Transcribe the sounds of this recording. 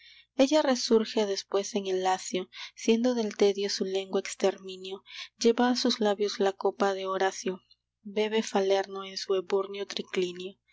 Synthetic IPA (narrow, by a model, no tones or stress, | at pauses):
e̞ʝare̞suɾxe̞ðe̞spwe̞se̞ŋe̞lːasjo̞sje̞nd̪o̞ðe̞lt̪e̞ðjo̞sule̞ŋɡwaekst̪eɾmĩnjo̞ɟ͡ʝe̞βaːsuzlaβjo̞zlako̞paðe̞oɾasjo | be̞βe̞fale̞ɾnoensueβuɾnjot̪ɾiklinjo